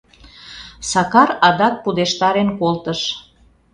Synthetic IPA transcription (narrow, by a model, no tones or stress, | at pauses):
sɑkɑɾɑd̪ɑk̚pud̪eʃt̪ɑɾenkolt̪əʃ